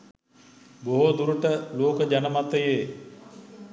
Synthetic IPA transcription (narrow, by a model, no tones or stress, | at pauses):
boɦod̪uɾuʈəloːkəd͡ʒanəmat̪ːəjeː